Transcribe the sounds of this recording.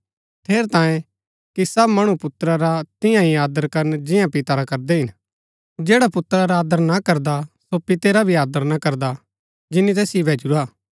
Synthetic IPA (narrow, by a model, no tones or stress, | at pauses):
t̪ʰeːɾt̪ãːjẽ | kisɐbmɐɽ̃upʊt̪ɾaɾat̪ɪjãɦiaːd̪əɾkɐɾnd͡ʒɪ̃jãpɪt̪aɾakɐɾd̪eɦɪn | d͡ʒeːɽapʊt̪ɾaɾaaːd̪əɾnakɐɾd̪asopɪt̪eɾabʱiaːd̪əɾnakɐɾd̪a | d͡ʒɪnːit̪̬ɛːsjibʱeːd͡ʒuɾaː